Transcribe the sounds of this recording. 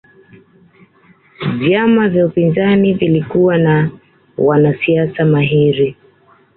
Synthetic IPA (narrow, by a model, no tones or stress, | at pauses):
vjamavjaupinzanivilikuwana | wanasiasamaɦiɾi